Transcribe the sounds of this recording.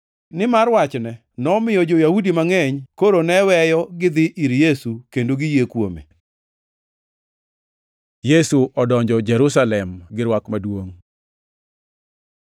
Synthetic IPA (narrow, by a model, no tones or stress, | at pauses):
nɪmarwat͡ʃnɛ | nɔmɪjɔd͡ʒojahudimaŋɛɲkoɾonɛwɛjɔɡɪd̪ɪʔiɾjesukendoɡɪjekwomḛ | jesuʔɔdɔɲd͡ʒɔd͡ʒɛɾusalɛmɡɪɾwakmadwoŋ